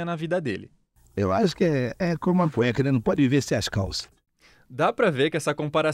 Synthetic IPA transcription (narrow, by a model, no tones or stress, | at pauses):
ɐnɐvid̪ɐd̪elɪ | ewaʃʊ̥kɪɛɛkõmũɐ̃põjɐkẽd̪ɐnɐ̃w̃pɔd̪ɪviveɾsɪaʃka̰wsɐ̥ | d̪apɾɐveɾkɪɛsɐkõpaɾa